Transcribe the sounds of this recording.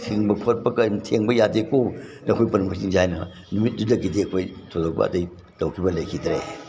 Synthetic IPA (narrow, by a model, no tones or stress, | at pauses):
tʰiŋbɐkʰot̚pɐkɐjmtʰeŋbɐjadekonɐkʰojpɐnmɐsiŋzajnɐ | numit̚dudɐkideɐkʰojtʰozok̚bɐ̰ɐ̰tɐj | tɐwkʰibɐlɐjkʰidɾe